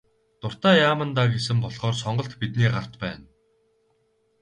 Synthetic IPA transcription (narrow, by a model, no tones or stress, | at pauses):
t̪ʊr̥t̪aːjaːmə̆nt̪aːɡesɘ̆mpɔɮχɔːrsɔɴɢɞ̆ɬt̪pit̪niːɢar̥t̪pæːn